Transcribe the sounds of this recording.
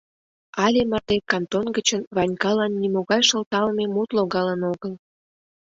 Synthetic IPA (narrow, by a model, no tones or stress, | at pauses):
ɑlʲemərt̪ekɑnt̪onɡət͡ɕənβɑnʲkɑlɑnːimoɣɑjʃə̆lt̪ɑlmemut̪loɣɑlənoɣəl